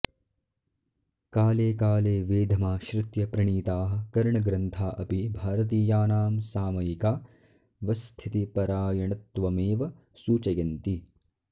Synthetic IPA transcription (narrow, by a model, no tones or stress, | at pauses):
kaːleːkaːleːʋeːd̪ʱɐmaːʃɾɪt̪jɐpɾɐɳiːt̪aːɦɐ̆kɐɾɳɐɡɾɐnt̪ʰaːʔɐpibʱaːɾɐt̪̬iːjaːnaːmsaːmɐjikaː | ʋɐst̪ʰit̪ipɐɾaːjɐɳɐt̪ːʋɐmeːʋɐ | suːt͡ʃɐjɐnt̪i